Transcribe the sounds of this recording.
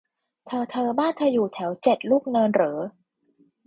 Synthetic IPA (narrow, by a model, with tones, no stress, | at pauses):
t̪ʰɤː˧t̪ʰɤː˧baː˥˩nt̪ʰa˧juː˨˩t̪ʰɛː˩˦wt͡ɕe˨˩t̪̚luː˥˩k̚nɤː˧nɾɤː˩˦